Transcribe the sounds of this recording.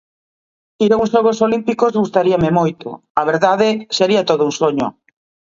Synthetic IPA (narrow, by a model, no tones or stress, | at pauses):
iɾaũnsʃoɣ̞osolimpikozɣust̪aɾiɐmɪmojt̪ʊ̰ | aβ̞eɾðaðɪseɾiɐt̪oðʊuŋsoɲʊ̰